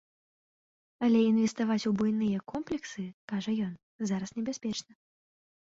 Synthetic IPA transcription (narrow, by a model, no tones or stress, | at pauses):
ɐlʲɛinvʲɛst̪avat͡sʲubujnɨjɐkɔmplʲɛksɨkaʐɐjɔn | zaɾɐsnʲɛbʲɛsʲpʲɛt͡ʂnɐ